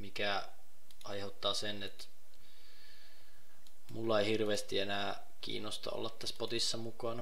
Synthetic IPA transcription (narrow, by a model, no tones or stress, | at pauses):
mikæ | ʔɑjhet̪ːɑːsenet̪ | mulːɑeihirʋeːst̪ienæː | kḭːnːost̪ɑ̰o̰lːɑt̪t̪æspot̪isːɑmukɑnɑ